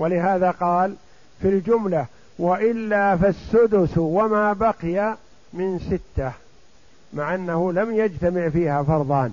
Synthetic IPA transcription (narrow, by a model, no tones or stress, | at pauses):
walɪɦaːðaqɑːl | fild͡ʒʊmla | waʔɪlːaːfasːʊd̪ʊswamaːbaqɪja | mɪnsɪt̪ːa | maʕʔanːahʊlamjad͡ʒt̪amɪʕfiːhaːfɑɾˤðˤɑːn